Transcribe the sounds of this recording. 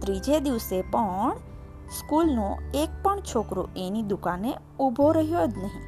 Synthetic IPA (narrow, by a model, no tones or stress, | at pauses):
t̪ɾiːd͡ʒed̪iʋsepɔɳ | skuːlnõeːk̚pəɳt͡ʃʰoːkɾo̰ʔeːnid̪ʊkãːnẽ | ʊbʱoɾəɦijod͡ʒnəɦĩ